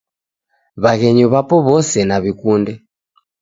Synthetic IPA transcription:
βaɣɛɲɔβapɔβɔsɛnaβikundɛ

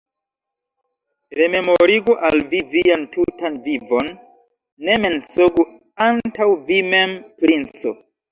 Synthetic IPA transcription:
ɾe̞me̞moɾiɡuʔalvivijantutanvivo̞nː | e̞me̞nsoɡu | antawvime̞mpɾint͡so̰

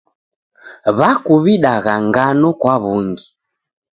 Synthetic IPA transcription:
βakuβiɗaɣaŋɡanɔkwaβuŋɡi

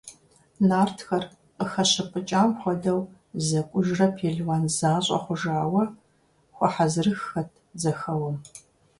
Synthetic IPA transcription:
naːrtʰxɐr | qəxɐɕɐpʼɨt͡ʃʼaːmχʷɔdɐw | zɐkʷʼʊʒrɐpʰeːɮwaːnzaːɕʼɐ̰χʷʊʒaːwɐ | χʷɔħazɨrɨxːɐtʰzɐxɐwɐm

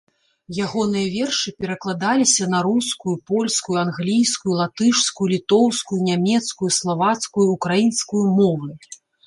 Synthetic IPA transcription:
jaɣɔnɨjɐvʲɛrʂɨpʲɛɾɐklˠad̪alʲisʲɐnɐɾuskujupɔlʲskujuanɣlʲijskujulˠat̪ɨʂskujulʲit̪ɔwskujunʲamʲɛt̪skujuslˠavat̪skujukɾajinskujumɔvɨ

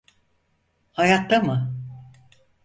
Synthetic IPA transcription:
hajat̪ːamɯ

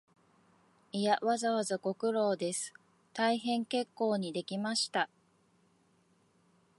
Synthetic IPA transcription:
ijaβazaβazako̞kɯ̟ɾo̞ːd̪e̞sɨ̥ | t̪aiɦẽ̞ŋke̞kːo̞ːɲ̟id̪e̞kʲimaɕi̥t̪a

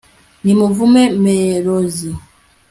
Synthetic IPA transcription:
nimuvumɛmeɾozi

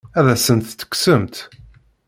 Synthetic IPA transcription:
æðæsənt̪ːə̥ksəmt̪

